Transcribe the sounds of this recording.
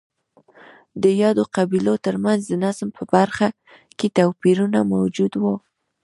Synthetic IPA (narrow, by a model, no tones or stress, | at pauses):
d̪əjɑd̪oqabilot̪əɾmanzd̪ənasmpʰəbaɾxa | ket̪awpiɾunamawd͡ʒud̪wo